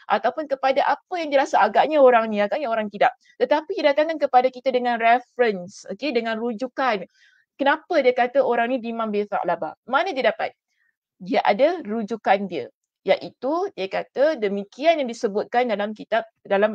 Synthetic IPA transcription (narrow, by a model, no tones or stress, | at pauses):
ʔa̰t̪awpʊnkəpadaʔapəjaŋdiəɾasaaɡaʔɲaoɾaŋnĩaɡaʔɲaoɾaŋt̪idaʔ̚ | t̪ət̪apididat̪aŋkankəpadakit̪ədəŋãnrɛfɾənsokedəŋãnrud͡ʒukan | kənapədiəkat̪əoɾaŋnĩdimãmbeθa̰ʔlaba̰manədiədapa̰t̪̚ | diəʔadarud͡ʒukandiə | jaʔit̪udiəkat̪ədəmikianjaŋdisəbʊt̪̚kandalamkit̪ap̚dalam